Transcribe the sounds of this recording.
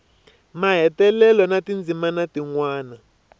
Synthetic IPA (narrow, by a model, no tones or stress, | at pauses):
maɦɛtɛlɛlɔnatind͡zimanatiŋwaːna